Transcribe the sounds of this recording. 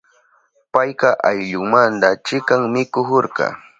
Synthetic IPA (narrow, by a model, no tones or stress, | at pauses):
pajqɑʔajʎʊŋmant̪at͡ʃɪkaŋmɪkʊhoɾqɑ̰